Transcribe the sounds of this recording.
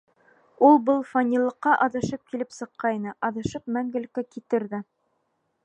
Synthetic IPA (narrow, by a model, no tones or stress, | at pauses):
ulˠbɤlˠfonʲilˠːɤ̆qːɑʔɑðɤ̆ʃɤp̚kilɘpsɤ̆qːɑinɤʔɑðɤ̆ʃɤp̚mæŋɡɘ̆lkækit̪ɘ̆ɾðɘ